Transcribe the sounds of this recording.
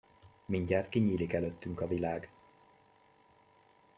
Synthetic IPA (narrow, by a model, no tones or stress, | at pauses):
miɲɟaːt̪kiɲiːlikɛløt̪ːyŋkɒvilaːɡ